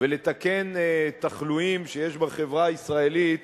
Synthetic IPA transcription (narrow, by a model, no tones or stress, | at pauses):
vele̞t̪akenet̪aχluimʃejeʃbaχe̞vʁaisʁae̞lit̪